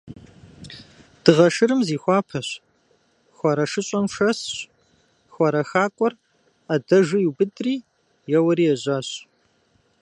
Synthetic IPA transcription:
d̥ɨʁɐʂɨɾɨmziːxʷɑːpʰɐɕ | xʷɔɾɐʂɨɕʼɐmʂɐsɕ | xʷɔɾɐxaːkʷʼɔr | adɐʒɨjuːbɨdriː | jɛwɐɾiːjɛʑaːɕ

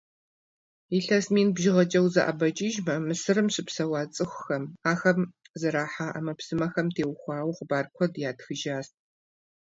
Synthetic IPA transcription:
iɬɐsmiːnbʒɪʁɐt͡ʃʼɐwzɐ̰ʔɐ̰bɐt͡ʃʼiʒmɐmɨsɨrɨmɕɪpsɐwɑːt͡sʼɨxʷʊxɐmaːxɐm | zɐɾaːħaʔa̰mɐpsɨmɐxɐmtʰeːwxʷɑːwqʊbaːrkʷʰɔdjaːtxɨʒaːst̚ʰʼ

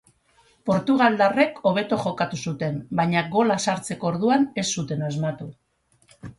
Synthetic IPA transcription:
po̞ɾt̪uɣ̞ald̪are̞kʰo̞β̞e̞t̪oʝo̞kat̪usut̪e̞mbaɲaɣo̞lasaɾt͡se̞ko̞ːɾðuane̞sːut̪e̞nazmat̪u

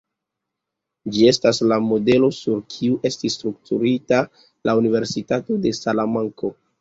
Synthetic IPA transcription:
d͡ʒie̞staslamo̞de̞lo̞suɾkʰiuʔe̞stisːtɾuktuɾita | lʔaunive̞ɾsitato̞de̞salamaŋko̞

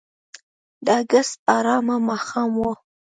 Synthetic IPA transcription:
d̪əaɡast̪̚ɑɾɑmamɑxɑmwo

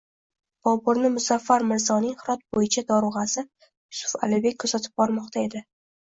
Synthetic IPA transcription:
b̥ɒbʊɾnɪmʊzafːaɾmɪɾzɒnɪŋhɪɾɒt̪̚bojɪt͡ʃʰad̪ɒɾʊʁɑsɪ | jʊsʊ̥fa̰lɪbe̞k̚ʲʰːɵzat̪ʰɪ̥b̚bɒɾmɒqt̪ʰae̞d̪ɪ

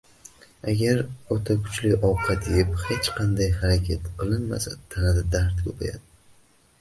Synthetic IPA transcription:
aɡʲaɾɒt̪ʰakʰʊ̥t͡ʃlɪʔɒqʰɑd̪ejɪphet͡ʃqʰɑnd̪ajhaɾakʲʰat̪qɨlˠɪnma̰sat̪ʰanad̪ad̪aɾt̪kʰʲɵpʰa̰ja̰d̪ɪ

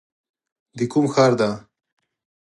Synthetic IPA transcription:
d̪ikumxaːɾd̪a

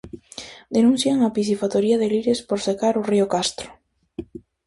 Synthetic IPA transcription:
d̪enũn̟θjaŋapiθifat̪oɾiaðeliɾɪspoɾsekaɾʊriokast̪ɾʊ̥

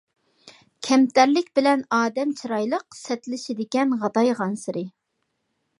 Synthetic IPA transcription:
kʲʰɛmt̪æɾlɪkʲbɪlɛnɑːd̪ɛmt͡ʃʰiɾɑjlˠəqsɛt̪lɪʃɪd̪ɪkʲɛnʁɑd̪ɑjʁɑnsɪɾɪ

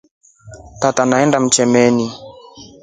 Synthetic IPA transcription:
tatanaɛndam̩t͡ʃɛmɛni

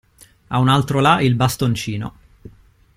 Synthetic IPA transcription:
a̰unalt̪ɾolaʔilbast̪ont͡ʃiːno̰

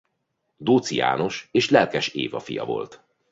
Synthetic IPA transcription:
d̪oːt̪sija̰ːno̞ʃeːʃlɛlkɛʃeːvɒfijɒ̰vo̞̰lt̪

